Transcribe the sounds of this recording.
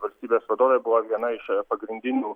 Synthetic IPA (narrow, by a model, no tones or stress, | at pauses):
ʋɐlʲsʲt̪ʲiːbʲeːsʋɐd̪oːʋʲebʊʋɐʋʲiɛnɐɪʃpɐɡɾʲɪnʲd̪ʲɪnʲuː